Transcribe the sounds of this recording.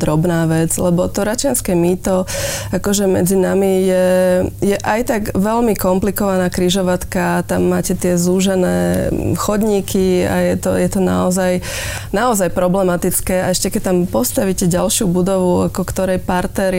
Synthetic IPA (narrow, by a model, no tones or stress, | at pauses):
d̪ɾɔbnaːʋɛd͡zlɛbɔt̪ɔɾat͡ʃɪanskɛmiːt̪ɔakɔʒɛmɛ̰d͡zinamijɛjɛʔajt̪aɡʋɛlmikɔmplikɔʋanaːkɾiʒɔʋat̪kat̪amːaːcɛt̪ɪɛzuːʒɛnɛːxɔd̪ɲiːkʰia̰jɛt̪ɔjɛt̪ɔna̰ɔzaj | naɔzajpɾɔblɛmat̪it͡skɛːaɛʃcɛkɛc̚t̪ampɔst̪aʋicɛɟalʃɪubud̪ɔʋua̰kɔkt̪ɔɾɛjpaɾt̪ɛɾ